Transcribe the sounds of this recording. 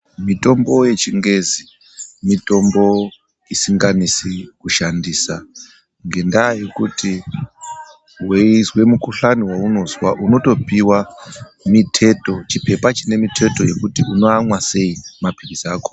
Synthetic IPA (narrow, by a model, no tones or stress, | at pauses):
mito̞mbo̞je̞t͡ʃiŋɡe̞zi | mitʼo̞mbo̞ | isiŋɡanisikuʃandiːsa | ŋɡe̞ndaje̞kuti | wezwe̞mukuɬaniwauno̞zwaʔuno̞to̞piwa | mitʰe̞to̞t͡ʃipe̞pat͡ʃine̞mitʰe̞to̞je̞kutiuno̞amwase̞imapiβizaːko̥